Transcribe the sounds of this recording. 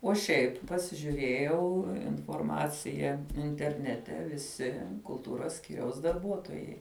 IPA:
oː ˈʃʲɛɪp pɐsʲɪʒʲʊˈrʲeːjɛʊ ɪnfoːrˈmɑːt͡sʲɪjɛ ɪnʲtʲɛrʲˈnʲæːtʲɛ ʋʲɪˈsʲɪ kʊlˠˈtuːroːs ˈsʲkʲiːrʲɛʊs dɐrˈbuɔtoːjɛɪ

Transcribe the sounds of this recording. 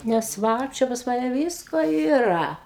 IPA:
nʲɛs ˈʋɐ t͡ʃʲɛ pɐs ˈmɑːnʲɛ ˈʋʲɪskoː iːˈrɐ

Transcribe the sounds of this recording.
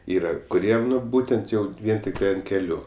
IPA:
ˈiːrɐ kʊˈrʲiɛm ˈnʊ ˈbuːtʲɛnt ˈjɛʊ ˈʋʲiɛn tʲɪkˈtɐɪ ɐnt kʲɛˈlʲuː

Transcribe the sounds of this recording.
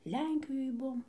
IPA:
ˈlʲɛŋʲkʲɪjoːj ˈbuɔm

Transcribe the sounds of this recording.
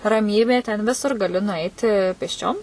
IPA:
rɐˈmʲiːbʲeː tʲɛn ˈʋʲɪsʊr ɡɐˈlʲɪ nʊˈɐɪtʲɪ pʲeːsʲˈt͡ʃʲoːm

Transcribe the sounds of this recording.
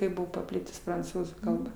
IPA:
ˈkɐɪp ˈbʊʋoː pɐˈpʲlʲɪtʊs prɐnˈt͡suːzuː ˈkɐlˠbɐ

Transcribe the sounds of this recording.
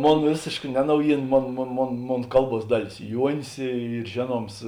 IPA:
ˈmoːn ˈʋʲeːsʲeːʃkɐ ˈnʲɛ ˈnɐʊjiːˌnɐ ˈmoːn ˈmoːn ˈmoːn ˈmoːn ˈkɐlˠˌbuɔs ˈdɑːˌlʲeːs ˈjuɔnʲɪs ˈiːr ˈʒʲeːˌnuɔms

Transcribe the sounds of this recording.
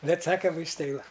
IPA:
ˈbʲɛt ˈsɑːkɐm ʋɐɪsˈtɐɪ ˈʋɐ

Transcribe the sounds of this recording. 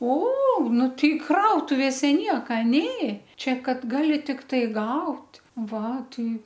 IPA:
oː ˈnʊ ˈtʲɛɪ ˈkrɐʊtʊʋʲeːsʲɛ ˈnʲiɛkɐ ˈnʲeː ˈt͡ʃʲɛ ˈkɐt ˈɡɑːlʲɪ tʲɪkˈtɐɪ ˈɡɐʊtʲ ˈʋɐ ˈtɐɪ

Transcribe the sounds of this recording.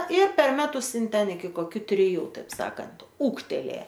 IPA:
ɪr pʲɛr ˈmʲæːtʊs ˈɪn ˈtʲɛn ɪkʲɪ koːˈkʲʊ tʲrʲɪˈjuː ˈtɐɪp ˈsɑːkɐnt ˈuːktʲɛlʲeː

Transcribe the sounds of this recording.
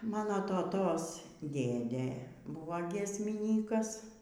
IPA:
ˈmɑːnoː toːˈtoːs ˈdʲeːdʲeː ˈbuːʋɐ ɡʲiɛsʲmʲɪˈnʲiːkɐs

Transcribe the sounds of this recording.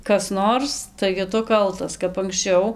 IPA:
ˈkɐs ˈnoːrs tɐɪɡʲɪ ˈtʊ ˈkɐlˠtɐs kɐp ɐŋksʲˈt͡ʃʲɛʊ

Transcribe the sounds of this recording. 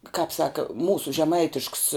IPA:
kɐp ˈsɑːkɐ ˈmuːsʊ ʒʲɛˈmɐɪtʲɪʃks

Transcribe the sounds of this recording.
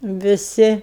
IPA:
ʋʲɪˈsʲɪ

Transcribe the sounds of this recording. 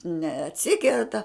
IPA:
nʲɛɐtʲˈsʲɪkʲɛrtɐ

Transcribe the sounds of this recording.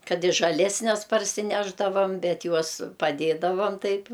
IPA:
kɐt ɪ ʒɐˈlʲæːsʲnʲɛs pɐrʲsʲɪˈnʲæːʒdɐʋɐm ˈbʲɛt ˈjuɔs pɐˈdʲeːdɐʋɐm ˈtɐɪp

